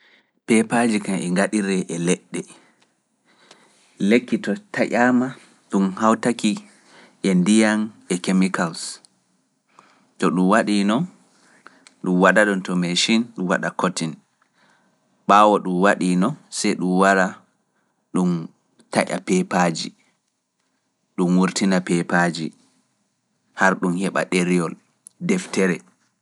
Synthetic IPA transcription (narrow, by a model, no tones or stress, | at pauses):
pɛpad͡ʒikamɛŋɡaɗiɾɛʔɛlɛɗːɛ | lekːitɔtaʔama | ɗumhawtaki | ʔɛndijanɛkemikals | tɔɗumwaɗinɔ | ɗumwaɗaɗɔntɔmeʃinɗumwaɗakotin | ɓawɔɗumwaɗinɔsɛjɗumwaɾa | ɗum | taʔa̰pɛpaːd͡ʒi | ɗumwuɾtinapɛpad͡ʒi | haɾɗumhɛɓa̰ɗeɾijɔl | dɛftɛɾɛ